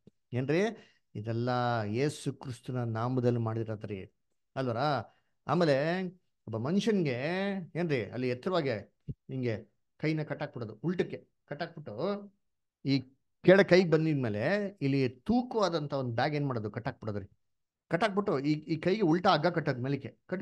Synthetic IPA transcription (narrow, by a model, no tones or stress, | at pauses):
eːnɾiː | id̪ɛlːɐjeːsukɾist̪unɐnaːmɐd̪ɐlːimaːɽid̪iɾad̪ɾḭ | ɐlʋɐːɾa | a̰ːmeːle̞ | ɐbːɐmɐnʃɐnɡe̞eːnɾiʔɐ̰lːiɦɛt̪ːɐɾɐʋaːɡe | iŋɡe | kɐjnːɐkɐʈːaːɡ̚piɽoːd̪uuɭʈɐkːe | kɐʈːaːɡ̚piʈːu | iː | kɛːɭɐkɐjɡebɐnd̪id̪me̞ːle̞ilːit̪uːkɐʋaːd̪ɐnt̪ʰɐond̪ubjaːɡeːnmaːɽod̪ukɐʈːaːɡ̚piʈod̪ɐɾi | kɐʈːaːɡ̚piʈːuiiːkɐjɡe̞uɭʈɐːɡːaːkɐʈːɐd̪meːlikːekɐʈ